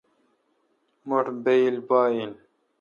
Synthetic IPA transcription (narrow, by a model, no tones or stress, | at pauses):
moʈbelbaːin